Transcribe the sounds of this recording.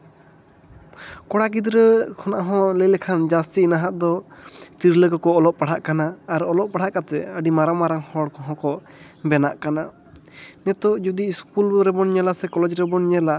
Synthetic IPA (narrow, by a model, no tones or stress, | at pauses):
kɔɽakid̪ɾəkʰɔnaʔɦɔ̃ləjlɛkʰand͡ʒast̪iːnaɦaʔd̪ɔst̪iɾləɡɔkɔːlɔʔpaɽ̤aʔkanaːɾɔlɔʔ̚paɽ̤aʔkat̪ɛəɖimaɾamaɾaŋhɔɽkɔɦɔ̃kɔʔ | bɛnaʔkana | nɛt̪ɔʔd͡ʒud̪iiskulɾɛbɔnɲɛlasɛkɔlɛd͡ʒɾɛbɔnɲɛla